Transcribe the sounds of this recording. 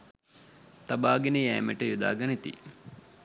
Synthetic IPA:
t̪abaːɡenəjɛːmeʈəjud̪a̰ːɡɐnit̪ḭ

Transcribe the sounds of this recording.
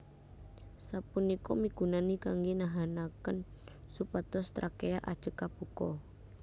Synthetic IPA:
sapunikɔmiɡ̥ṳnanikaŋɡinaɦanakən | supat̪ɔst̪ɾakejaʔad̥ʒ̥ə̤kːab̥ukɔ

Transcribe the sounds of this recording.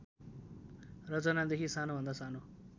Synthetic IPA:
rʌt͡sʌnad̪ekʰisanobʱʌnd̪asano

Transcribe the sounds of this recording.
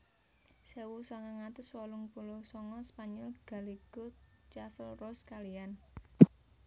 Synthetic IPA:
sewusɔŋaŋat̪ʊswɔlʊŋpulosɔŋɔspaɲɔlɡ̥a̤liɡ̥ʊt͡ʃafəlrɔskalijan

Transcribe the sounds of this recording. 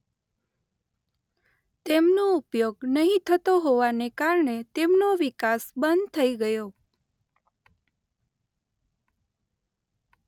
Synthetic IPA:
t̪emnoupjoɡnəɦĩt̪ʰət̪oɦoʋanekaɾɳet̪emnoʋikasbənd̪t̪ʰəiɡəjo

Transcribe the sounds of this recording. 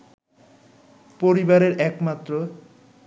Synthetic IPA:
poɾibaɾeɾɛkmat̪ːɾo

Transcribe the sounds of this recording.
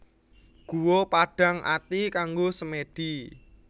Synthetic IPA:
ɡ̥uwopaɖ̥ä̤ŋʔa̰t̪ikaŋɡosəmeɖ̥i

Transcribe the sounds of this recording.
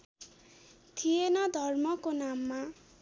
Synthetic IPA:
t̪ʰijenʌd̪ʱʌrmʌkonamːa

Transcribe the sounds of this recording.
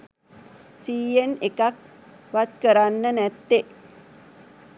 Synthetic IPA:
siːjenekak̚ | ʋat̪kəɾanːənæt̪ːe

